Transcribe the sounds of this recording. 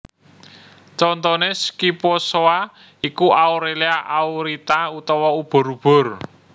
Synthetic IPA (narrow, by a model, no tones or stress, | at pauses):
t͡ʃɔnt̪ɔneskiposoa | ikuʔaoɾeliaʔawɾit̪aut̪ɔwɔub̥ɔ̤ɾub̥ʊ̤r